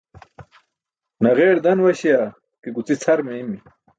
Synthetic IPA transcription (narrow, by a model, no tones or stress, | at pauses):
nɐʁeːɽd̪ɐnwɐɕija | kiɡut͡sit͡sʰɐɾmeimi